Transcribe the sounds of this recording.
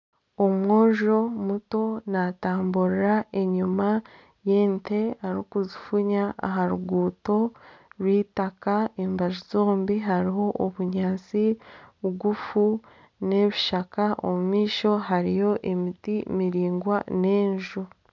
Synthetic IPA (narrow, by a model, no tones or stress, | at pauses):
omŋwo̞ːʒo̞muto̞nataːmbuɾiɾae̞ɲuma | jeːnte̞aɾukuzifuɲaa̰ɦaɾuɡuːto̞ɾwiːtakaembaʒuzo̞ːmbiɦaɾiɦo̞ʔoβuɲaːnt͡siβɡufu | ne̞βiʃakao̰mumiːʃo̞ɦaɾijo̞ʔemitimiɾiːŋɡwane̞ːɲʒu